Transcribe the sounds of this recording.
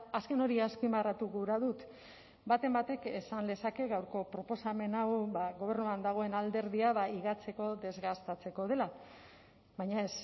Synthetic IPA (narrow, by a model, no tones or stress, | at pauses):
aske̞no̞ɾiaspimarat̪uɣuɾaðut̪ | bat̪e̞mbat̪e̞kesand̪e̞sake̞ɣawɾko̞pɾo̞po̞same̞nawbaɣo̞β̞e̞ɾnuand̪aɣ̞o̞e̞nald̪e̞ɾðiaβaiɣat͡se̞ko̞ðe̞zɣast̪at͡se̞ko̞ð̞e̞la | βajɲaes